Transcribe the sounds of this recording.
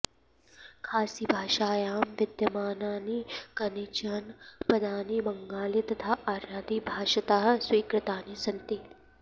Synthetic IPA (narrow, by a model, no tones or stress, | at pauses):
kʰaːsibʱaːʃaːjaːmʋɪd̪jɐmaːnaːnikɐnit͡ʃanpɐd̪aːnibɐ̃ŋɡaːlit̪ɐt̪ʰaːʔaːɾaːd̪ibʱaːʃɐt̪aːɦswiːkɾɪt̪aːnisɐ̃nt̪i